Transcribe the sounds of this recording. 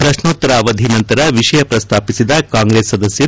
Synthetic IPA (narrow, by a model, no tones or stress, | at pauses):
pɾɐʂnoːt̪ːɐɾaːʋɐd̪ʱinɐnt̪ɐɾɐʋiʂɐjɐpɾɐst̪ʰaːpisid̪ɐkaːŋɡɾeːsːɐd̪ɐsjɐ